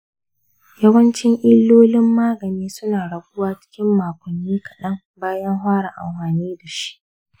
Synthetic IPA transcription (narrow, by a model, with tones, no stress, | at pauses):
jɐ˦wɐ˦nt͡ʃɪ˦ŋʔɪ˦lːoː˦lɪ˦mːaː˦ɡɐ˨niː˦sʊ˦naː˨ɽɐ˨ɡʷʊ˦waː˦t͡ʃɪ̥˦kʲɪ˦mːaː˨kʷʊ˨nːiː˦kʰɐ˨ɗɐ˦ŋ | baː˦jɐ˦ŋɦʷaː˦ɽa˨ʔa̰˨mɸaː˨niː˦da˨ʃi̥˦ʔ